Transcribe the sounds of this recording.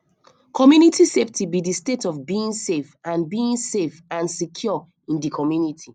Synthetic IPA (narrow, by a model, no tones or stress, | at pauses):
kʰɔmjunitʰiseftʰibidistetɔvbiĩnsefãnbiĩnsefãnsikʰjɔ | ĩndikʰɔmjunitʰi